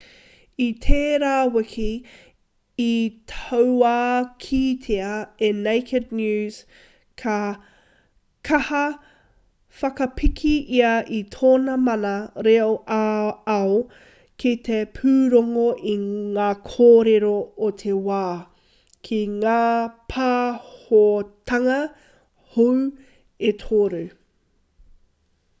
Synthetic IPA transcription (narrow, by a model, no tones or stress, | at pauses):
it̪ʰeːɾaːwɪkʰi | tʰɐwaːkʰit̪ʰeɐenejkʰɪdnjʉːz̥ | kʰɐ | kʰɐhɐ | fɐkɐpʰikʰiʔiɐʔitʰoːnɐmɐnɐɾeoʔaɐo | kʰit̪epʰʉːɾoŋoʔiŋaːkʰoːɾeɾootʰewaː | kʰiŋaːpʰaːhotʰɐŋɐ | huw | etʰoːɾu